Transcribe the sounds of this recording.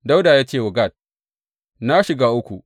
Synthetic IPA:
da˦wdaː˨jaː˦t͡ʃeː˦˨wʊ˨ɡa˦˨t̚ | na˦ʃɪ˨ɡaː˦ʔʊ˦kʷṵ˨

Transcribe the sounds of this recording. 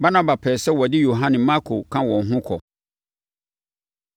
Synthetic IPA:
ba˦nã˦ba˨pʰɛː˨sɛ˦wɔ˨dɪ˦jo˨ɦã˦nɪ̃˨mã˦kʰo˨kʰã˦wɔ̃˨n˨ɦʊ̃˦kʰɔ̰˨

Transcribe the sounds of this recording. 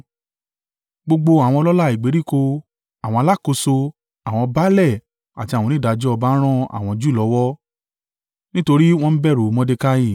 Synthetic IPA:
ɡ͡bo˧ɡ͡bo˧a˨wɔ̃˧ɔ˧lɔ˦la˦˨i˨ɡ͡be˨˦ɾi˦˨ko˧ | a˨w̃ɔ̃˧a˧la˦˨ko˧so˧ | a˨w̃ɔ̃˧ba˦lɛ˦˨ | a˨tĩ˧˨ɔ̃˧nĩ˦da˨˧d͡ʒɔ˦ɔ˧ba˦ɾ̃ɔ̃˦a̰˨w̃ɔ̃˧d͡ʒu˦i˦˨lɔ˨˦wɔ˦ | nĩ˦to˧ɾi˦w̃ɔ̃˧n̩˦bɛ˦˨ɾo˨˦mɔ̃˧de˧ka˦ji˦˨

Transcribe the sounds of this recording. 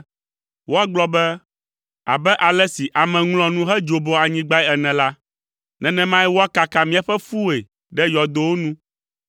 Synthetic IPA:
wo˦a˦ɡ͡blɔ˦bɛ˦ | a̰˨bɛ˦ʔa˨lɛ˦si˨ʔa˨mɛ̃˨ŋlɔ̃˨nũ˦ɦɛ˦d͡ʒo˨bo˨a˨ɲĩ˦ɡ͡ba˦ɛ˦ɛ˨nɛ̃˨la˦ | nɛ̃˨nɛ̃˦mã˦jɛ˦wo˦a˦ka˨ka˨mĩ˦a˨ɸɛ˦fu˦e˨ | ɖɛ˦jɔ˨d̪o˨˦wo˦nũ˦

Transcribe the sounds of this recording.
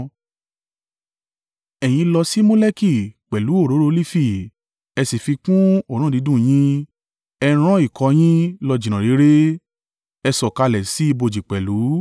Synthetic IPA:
ɛ˨j̃ĩ˧lɔ˧si˦mo˦le˦ki˦˨k͡pɛ˨lu˨˦o˦˨ɾo˨˦ɾo˧˦˧li˦fi˦˨ | ɛ˧si˨fi˧kũ˦o˦˨ɾ̃ũ˦˨di˨˦dũ˦˨j̃ĩ˦ | ɛ˧ɾ̃ã˦i˦˨kɔ˨˧˦j̃ĩ˦lɔ˧d͡ʒĩ˨ɾ̃ã˨ɾi˨˦ɾe˦ | ɛ˧sɔ˨ka˧lɛ˨si˨˦i˦˧bo˧˨d͡ʒi˨k͡pɛ˨lu˨˦

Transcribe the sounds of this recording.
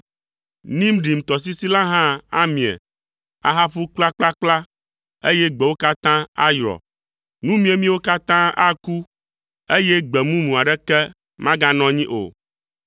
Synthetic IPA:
nĩ˦m˦ɖi˨m̩˨t̪ɔ˨s̬i˦si˦la˦ɦã˦a̰˦mĩ˨ɛ̰˨ | a̰˨ɦa˦ɸu˦k͡pla˦k͡pla˦k͡pla˦ | e˦jɛ˦ɡ͡bɛ˨wo˦ka˦t̪ã˦a̰˦jɾɔ̰˨ | nũ˦mĩ˦e˨mĩ˦wo˦ka˦t̪ã˦a˦ku˦ | e˦jɛ˦ɡ͡bɛ˨mũ˦mũ˨a˨ɖɛ˦kɛ˦ | mã˦ɡa˦nɔ̃˦ɲĩ˦ʔo̰˨

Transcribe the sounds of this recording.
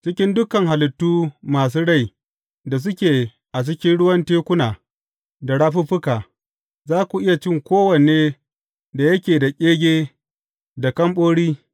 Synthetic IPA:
t͡ʃɪ˦kʲɪ˦ndʊ˦kɐ˨ŋha˨lɪ˨tːuː˦maː˨s̬uː˦ɽa˦˨j | da˨s̬ʊ˦kʲeː˨ | ʔa˨t͡ʃɪ˦kʲɪ˦nɽʊ˦wɐ˦nteː˦kʷʊ˦naː˨ | da˨ɽaː˦ɸu˦ɸʊ˦kaː˨ | zaː˦kʷu˨ʔɪ˦ja˨t͡ʃɪ˦ŋkʷoː˦wɐ˨neː˦ | da˨jɐ˦kʲeː˨da˨kʲʼeː˦ɡʲeː˦ | da˨kɐ˦mɓoː˦ɽiː˦

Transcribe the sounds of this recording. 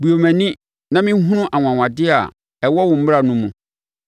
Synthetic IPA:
bu˨o˨mɛ̃˨nɪ̃˦ | nã˦mɪ̃˦ɦũ˦nʊ̃˦ʔa˨ŋʷ˨ã˨ŋʷ˨ã˨dɪ˦a̰˨ | ɛ˨wɔ˦wʊ̃˨m̩˦m˦ɾa˨nũ˦mũ˨

